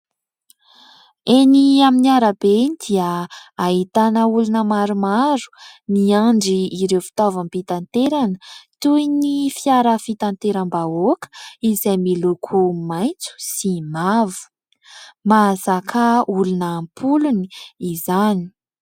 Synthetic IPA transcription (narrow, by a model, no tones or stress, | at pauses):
eniaminiaɾəbed̪̥iəaɦit̪anəulunəmaɾumaɾu̥niaɳɖ͡ʐiːɾewfi̥t̪avampit̪ant̪eɾanət̪ujnifiaɾəfit̪ant̪eɾambaokə̥izajmilukʰumajnt͡su̥simavu̥ | mazakʰaulunəːmpʰuluniizani̥